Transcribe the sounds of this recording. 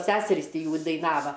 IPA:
ˈsʲæːsʲɛrʲiːs ˈtʲɪ ˈjuː dɐɪˈnɑːʋɐ

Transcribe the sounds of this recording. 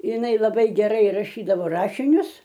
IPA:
ɪˈnɐɪ lˠɐˈbɐɪ ɡʲɛˈrɐɪ rɐˈʃʲiːdɐʋoː ˈrɑːʃʲɪnʲʊs

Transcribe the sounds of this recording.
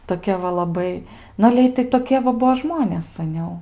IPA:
toːˈkʲɛ ʋɐ lˠɐˈbɐɪ ˈnʊ ɐlʲɛ ˈɪtɐɪ toːˈkʲiɛ ʋɐ ˈbuɔ ˈʒmoːnʲeːs sɐˈnʲɛʊ

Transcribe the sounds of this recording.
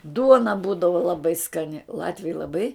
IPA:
ˈduɔnɐ ˈbuːdɐʋɐ lˠɐˈbɐɪ skɐˈnʲɪ ˈlˠɑːtʲʋʲɛɪ lˠɐˈbɐɪ

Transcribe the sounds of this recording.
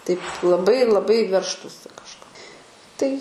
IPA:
tɐɪp lˠɐˈbɐɪ lˠɐˈbɐɪ ˈʋʲɛrʃtuːsʲɪ kɐʃˈkoː tɐɪ

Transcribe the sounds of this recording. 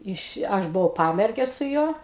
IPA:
ˈɪʃ ˈɐʃ bʊˈʋɐʊ ˈpɑːmʲɛrʲɡʲɛ sʊ ˈjuɔ

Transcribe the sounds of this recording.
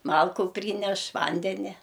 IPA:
ˈmɐlˠkʊ ˈpʲrʲiːnʲɛʃ ˈʋɐnʲdʲɛnʲɛ

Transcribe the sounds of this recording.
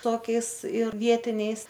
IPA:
ˈtoːkʲɛɪs ɪr ˈʋʲiɛtʲɪnʲɛɪs

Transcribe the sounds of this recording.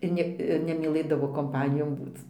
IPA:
ɪr ˈnʲɛ ɪr nʲɛmʲiːˈlˠɘdɐʋoː koːmˈpɑːnʲɪjoːn ˈbuːt͡s

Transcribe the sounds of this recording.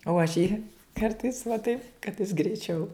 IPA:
oː ɐʃ ˈjiː ˈkɐrtɐɪs ʋɐ tɐɪp kɐt jɪs ɡrʲɛɪˈt͡ʃʲɛʊ

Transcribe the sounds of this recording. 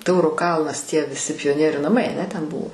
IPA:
ˈtɐʊroː ˈkɐlˠnɐs tʲiɛ ʋʲɪˈsʲɪ pʲɪjoːˈnʲiɛrʲʊ nɐˈmɐɪ ɐˈnʲɛ ˈtʲɛn ˈbʊʋoː

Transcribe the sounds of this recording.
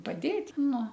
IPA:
pɐˈdʲeːtʲ ˈnʊ

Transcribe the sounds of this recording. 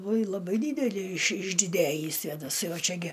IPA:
uɔj lˠɐˈbɐɪ ˈdʲiːdʲɛlʲɪ ɪʃ ɪʒʲdʲɪˈdʲæːjiː sʲʋʲeːdɐˈsɐɪ oː ˈt͡ʃʲɛ ɡʲɪ

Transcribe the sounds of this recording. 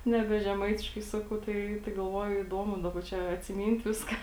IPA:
nʲɛˈbʲɛ ʒʲɛˈmɐɪtʲɪʃkɐɪ ˈsɑːkɐʊ ˈtɐɪ tɐɪ ɡɐlˠˈʋoːjʊ iːˈduɔmʊ ˈdɑːˌbɐ ˈt͡ʃʲɛ ɐtʲsʲɪˈmʲiːnʲtʲ ˈʋʲɪskɐ

